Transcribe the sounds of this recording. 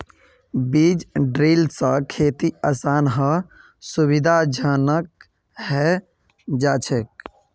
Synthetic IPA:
bid͡ʒɖɾiːlsə̃kʰeːt̪iaːsaːnɦə | subid̪ʱad͡ʒʱənək̚ | ɦɛ | d͡ʒaːt͡ʃʰek̚

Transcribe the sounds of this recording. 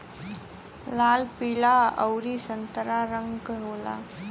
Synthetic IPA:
lalpiɭaə̰wɾisənt̪əɾaɾəŋɡɦola̰

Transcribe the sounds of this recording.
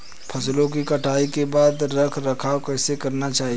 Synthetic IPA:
pʰɐslõk̬ikɐʈʰaːikebaːd̪ɾɐkʰɾɐkʰaːokɛːsekɐɾnat͡ʃaːɦi

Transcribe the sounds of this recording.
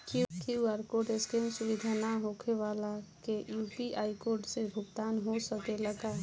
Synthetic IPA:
kikiuaɾkoːɾʈeskeːmsʊʋid̪ʱanaɦokʰeʋaːlakejuːpiʔaːikoːɾʈsebʱʊɡd̪aːnɦosəkeləɡaː

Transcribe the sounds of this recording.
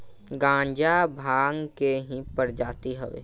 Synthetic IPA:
ɡãːɲd͡ʒabʱaːŋkeɦĩpəɾd͡ʒaːt̪iɦɛʋḛː

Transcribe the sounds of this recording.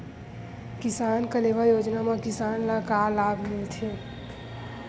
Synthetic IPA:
kɪsaːnkəleːʋajoːd͡ʒnamãkɪsaːnlakaːlaːbʱmɪlt̪ʰeː

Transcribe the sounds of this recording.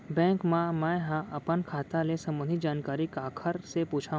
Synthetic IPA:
bɛ̃ːŋkmãmɛ̃ːɦãʔɐpənkʰaːt̪alesɐmənid͡ʒaːnkaːɾikaːkʰəɾsepuːt͡ʃʰaːɦ

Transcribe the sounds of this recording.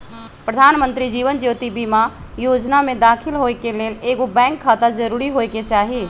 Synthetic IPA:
pɾəd̪ʱaːnmə̃nt̪ɾid͡ʒiːʋənd͡ʒjoːt̪ibiːma | joːd͡ʒnamẽd̪aːkʰɪlɦoːekeleːleːɡobɛ̃ːŋkʰːaːt̪ad͡ʒɐɾuːɾiɦoːeket͡ʃaːɦie

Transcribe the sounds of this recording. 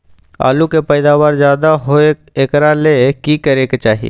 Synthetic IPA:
a̰ːlukepɛɪd̪aːʋaːɾzjaːd̪aɦoe | ekɾalekikəɾeket͡ʃaːɦḭ

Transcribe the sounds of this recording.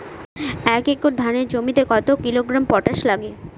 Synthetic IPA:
ɛkekoɾd̪ʱaneɾd͡ʑomit̪ekɔt̪okiloɡɾampɔʈaʃlaɡe

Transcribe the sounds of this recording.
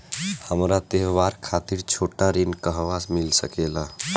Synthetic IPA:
həmɾat̪eɦʋaɾkʰat̪iɾt͡ʃʰoʈaɾinkəɦʋasmilsəkela

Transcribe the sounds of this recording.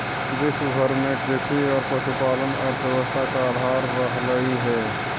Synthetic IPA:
d͡ʒɪsɡʱəɾmẽkɾɪʃiɔːɾpəʃupaːlənɔːɾbjəwəst̪ʰakaaːd̪ʱaːɾːəɦɾəɦiɦɛː

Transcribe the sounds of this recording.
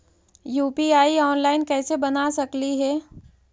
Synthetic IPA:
juːpiaːiɔːnlaːɪnkɛːsebɐnasɐkliɦɛː

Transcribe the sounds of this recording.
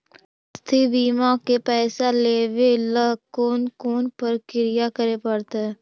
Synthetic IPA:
st̪ʰibiːmãkepɛːsaleːʋeləɦkoːnkoːnpəɾkɪɾɪjakəɾepɐɽt̪aɦɛ

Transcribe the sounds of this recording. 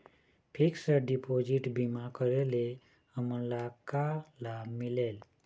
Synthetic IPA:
pʰiksəɖipod͡ʒiʈbimakəɾele | əmənlakalamilel

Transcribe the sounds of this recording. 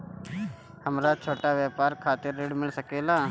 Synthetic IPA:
həmɾat͡ʃʰoːʈaʋjɛːpaːɾkʰaːt̪ɪɾːeɖmɪlsəkeːlaː

